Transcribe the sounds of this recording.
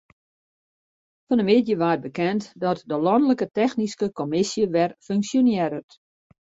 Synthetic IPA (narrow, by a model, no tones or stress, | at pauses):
fɔnəmɪdjəʋaːt̚bəkɛntdɔtdəlɔndələkətɛxniskəkomɪsjəʋɛrføŋksjonjɛɾət